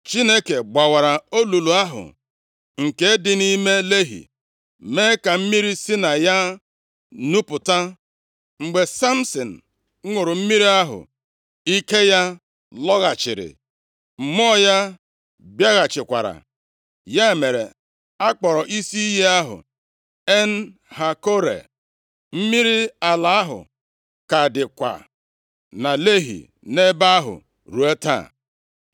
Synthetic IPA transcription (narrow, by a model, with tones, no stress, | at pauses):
t͡ʃi˦ne˦ke˨ɡ͡ba˨wa˨ɾa˨o˦lu˨lu˨a˦ɦʊ̰˨ | ŋ̩˨ke˦e˦dɪ˦ni˦me˦le˦ɦḭ˨ | meː˦ka˨m̩˦mi˦ɾi˦si˦na˨ja˦ | nu˦pʊ˨ta˦ | ŋ͡m̩˨ɡ͡be˨sa˦m̩˦sɔ˨n̩˨˦ | ŋʷʊ˨ɾʊ˨m̩˦mi˦ɾi˦a˦ɦʊ̰˨ | i˦ke˦ja˦ | lɔ˦ɣa˨t͡ʃɪ̰˨ɾɪ̰˨ | m̩˨mɔ˦ja˦ | bja˦ɣa˨t͡ʃɪ˨kʷa˨ɾa̰˨ | ja˦e˨me˨ɾe˨ | a˦k͡pɔ˨ɾɔ˨ʔi˦si˦i˦je˦a˦ɦʊ̰˨ | e˦n̩˦ha˨ko˦ɾḛ˨ | m̩˦mi˦ɾi˦a˨la˨a˦ɦʊ̰˨ | ka˨dɪ˨kʷa̰˨ | na˨le˦ɦḭ˨ | ne˦ba˦a˦ɦʊ̰˨ | ɾu˨e˦ta̰˦˨